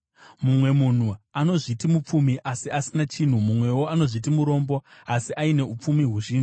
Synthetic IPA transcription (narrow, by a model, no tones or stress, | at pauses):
mumwe̞mun̤uano̞ʐitimup͡fumiʔasiasinat͡ʃin̤umumwe̞wo̞ano̞ʐit̬imuɾo̞ːmbo̞asiʔaine̞up͡fumiɦwuʒiːnʐi